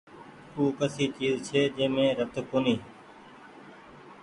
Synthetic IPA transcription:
uːkəsiːt͡ʃiːzt͡ʃʰeːd͡ʒẽːmẽːɾət̪koːniː

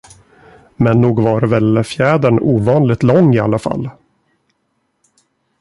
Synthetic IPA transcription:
mɛnːuːɡvaɾvɛlfjɛːd̪əɳuːvɑːnlɪɡ̚t̪lɔŋːɪa̰lːafa̰lː

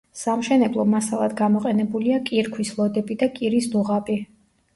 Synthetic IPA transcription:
samʃɛnɛblˠɔmasalˠad̪ɡamɔqʼɛnɛbuliakʼiɾkʰwislˠɔd̪ɛpʼid̪akʼiɾisd̪uʁapʼi

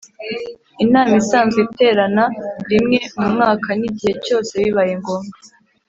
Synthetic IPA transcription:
inaːmisaːnzite̞ːɾanaɾimŋe̞mumŋaːkʰaniɟihe̞co̞ːse̞βiβajeŋɡo̞ːmɡa

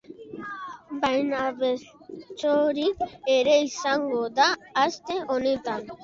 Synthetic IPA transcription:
bajnaβest͡ʃoɾieɾe̞isaŋɡod̪aːst̪e̞onet̪an

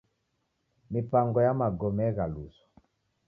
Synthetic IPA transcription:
mipaŋɡɔjamaɡɔmɛɣalṵsɔ̥

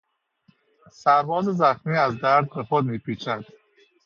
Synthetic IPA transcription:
sæɾvɒːzezæxmiːæzd̪æɾd̪̚bexod̪miːpʰiːt͡ʃʰæd̪̥

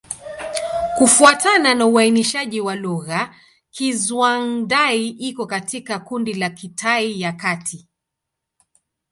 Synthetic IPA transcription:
kufuatananauainiʃaʄiwaluɣa | kizwandaiʔikɔkatikakundilakitʰaijakatʰi

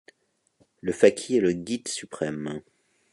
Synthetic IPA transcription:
ləfakʲʰiɛləɡʲid̪sypχɛm

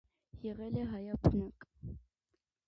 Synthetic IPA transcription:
jɛʁɛlɛɦɑjɑpʰnək

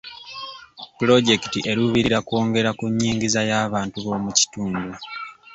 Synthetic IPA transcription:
pulo̞ɟe̞ki̥tiʔe̞ɾuβiɾiɾako̞ːŋɡe̞ɾakuɲːiːŋɟizajaːβaːntuβo̞ːmuci̥tuːndu

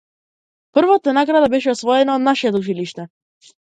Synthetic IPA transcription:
pr̩vɔt̪ɛnaɡɾad̪abɛʃɛɔsvɔɛnaːd̪naʃɛt̪ut͡ʃiliʃt̪ɛ

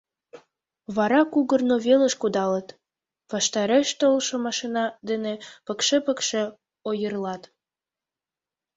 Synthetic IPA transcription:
βɑɾɑkuɣərnoβeləʃkud̪ɑlət̪ | βɑʃt̪ɑɾeʃt̪olʃomɑʃinɑd̪enepəkʃepəkʃe | ojərlɑt̪

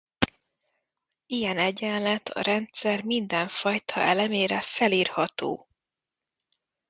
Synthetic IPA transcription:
ijɛnɛɟɛnlɛt̪ʰɒ̰ɾɛnt̪sɛrmind̪ɛɱfɒjt̪ʰɒ̰ʔɛlɛmeːɾɛfɛliːrhɒt̪o̰ː

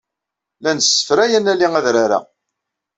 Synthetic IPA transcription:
lænəsːə̥fɾæjænælːiŋæðɾaɾa̰

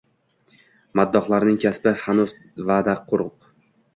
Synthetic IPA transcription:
mad̪ːɒχlˠaɾnɪŋkʲʰaspɪhanuz | vaːd̪aqʰːʊɾʊq

